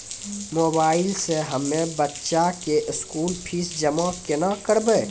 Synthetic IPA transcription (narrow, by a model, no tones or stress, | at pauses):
moːbaːɪlseɦəmːẽbətːʃakeʔɪskuːlpʰisd͡ʒəmakenakəɾbeː